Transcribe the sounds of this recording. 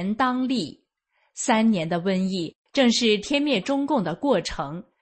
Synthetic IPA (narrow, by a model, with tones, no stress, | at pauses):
nt̪ɑ˥ŋli˥˩ | sa˥nnjɛ˧˥nd̪ə˧wə˥ni˥˩ | ʈ͡ʂɤ˥˧ŋʂɻ̩˥˩t̪ʰjɛ˥nmjɛ˥˩ʈ͡ʂʊ˥ŋkʊ˥˩ŋd̪ə˩kwɔ˥˩ʈ͡ʂʰɤ˧˥ŋ